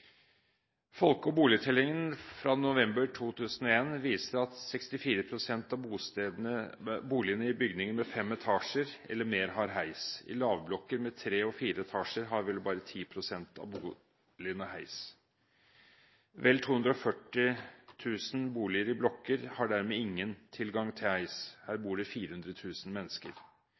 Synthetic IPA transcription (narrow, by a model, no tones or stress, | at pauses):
fɔlkɔbuːlɪt̪ʰɛlɪŋənfɾɑnʊʋɛmbəɾʈʰuːt̪ʰʉːsənɔeːnʋiːsəɾɑt̪sɛkst̪ɪfiːɾəpʰɾʊsɛnt̪ɑbuː | buːlɪənəɪbʏɡnɪŋənmɛfɛmɛt̪ʰɑːʂəɾɛ̰lːəɾmeːɾɦɑɾɦæɪsɪ̰lɑːʋblɔkːəɾmɛt̪ʰɾeːɔfiːɾəɛt̪ʰɑːʂəɾɦɑɾʋɛlbɑːɾət̪ʰiːpʰɾʊsɛnt̪ɑ̰buː | lɪənəhæɪs | ʋɛlt̪ʰuːhʉnd̪ɾɔɔfœʈːɪt̪ʰʉːsən̩buːlɪəɾɪblɔkːəɾhɑɖæɾmeːɪŋːənt̪ʰɪlɡɑŋt̪ʰɪlhæɪshæːɾbuːɖɛfiːɾəhʉnd̪ɾət̪ʰʉːsn̩mɛnːəskə̰ɾ